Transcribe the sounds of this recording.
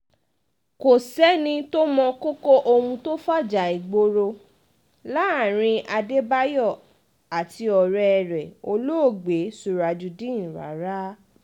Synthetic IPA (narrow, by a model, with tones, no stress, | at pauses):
ko˨sɛ˦nĩ˧to˦mɔ̃˧ko˦ko˦ʔo˧hũ˧to˦fa˦˨d͡ʒa˨i˨ɡ͡bo˧ɾo˧ | la˦˨ɾ̃ĩ˧a˧de˦ba˦jɔ˦˨ | a˨tʰi˧ɔ˨ɾɛ˧ɛ˧˨ɾɛ˨o˧lo˦o˦˨ɡ͡be˨˦su˧˨ɾa˧d͡ʒu˧dĩ˦˨ɾa̰˨˦ɾa˦